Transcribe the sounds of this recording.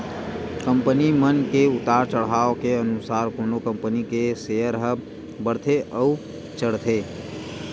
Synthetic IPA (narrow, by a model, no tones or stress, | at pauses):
kə̃mpənimənkeʊt̪aːɾt͡ʃəɽ̤ɦaːokeənʊsaːɾkoːnokə̃mpənikesejəɾɦəb | bəɽt̪ʰeʔəu | t͡ʃəɽt̪ʰeː